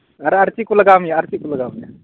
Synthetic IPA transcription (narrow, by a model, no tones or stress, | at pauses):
ɐɾɐɾt͡ʃikuləɡaːmjaɐɾt͡ʃikuləɡaːmja̰